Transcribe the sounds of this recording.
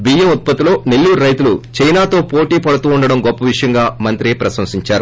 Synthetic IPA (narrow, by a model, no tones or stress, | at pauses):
bijemut̪̚pɐt̪ilo̞ːne̞lːuːɾɾɐjt̪ulut͡ʃɐjnaːt̪o̞ːpoːʈiːpɐɽut̪uːuɳɖɐɽɐmɡɔpːɐʋiʂɐjɐŋɡaːmɐnt̪ɾieːpɾɐsɐmsiɲt͡ʃaːɾu